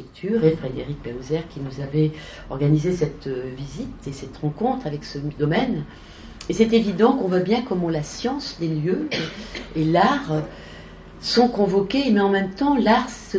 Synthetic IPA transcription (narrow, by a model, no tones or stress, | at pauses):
ɛk̚t̪ʰyʁefχed̪eʁik̚pelozɛʁkʲinuzavɛ | ɔʁɡanizesɛt̪vizit̪esɛt̪ʁɑ̃kɔ̃t̪χavɛksəd̪ɔmɛn | esɛt̪evid̪ɑ̃kɔ̃vwabjɛ̃kɔmɑ̃lasjɑ̃sd̪eljø | elaʁ | sɔ̃kɔ̃vɔkʲemɛɑ̃mɛmt̪ɑ̃laʁsə